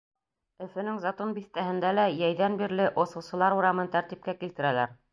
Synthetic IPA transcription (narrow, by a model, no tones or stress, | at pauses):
ɵ̆fɘ̆nɘŋzɑt̪ɤnbiθt̪æhɘ̆nd̪ælæjæjðænbiɾlɘʔŏsɤ̆wsɤ̆lˠɑɾuɾɑmɤnt̪æɾt̪ip̚kækilt̪ɘ̆ɾælæɾ